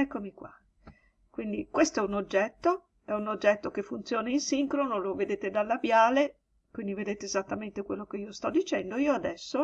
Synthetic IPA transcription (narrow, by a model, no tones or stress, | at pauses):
ɛkːomikwa̰ | kwind̪ikwest̪oɛunod͡ʒːɛt̪ːo | ɛunod͡ʒːɛt̪ːokefːunt̪sjoːnainsiŋkɾonoloved̪eːt̪ed̪alːabjaːle | kwind̪ived̪eːt̪eːzat̪ːament̪ekwelːokeiːost̪ɔd̪ːit͡ʃɛnd̪oiːoad̪ɛsːo